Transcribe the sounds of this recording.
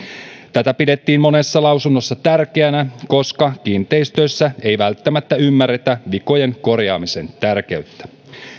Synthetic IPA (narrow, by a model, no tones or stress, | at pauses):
t̪æt̪æpide̞t̪ːiːmmo̞ne̞sːɑlɑwsunːo̞sːɑt̪ærkeænæko̞skɑkint̪e̞jst̪øsːæe̞jʋælt̪ːæmæt̪ːæymːære̞t̪æʋiko̞je̞ŋko̞rjɑ̰ːmise̞nt̪ærke̞yt̪ːæ̥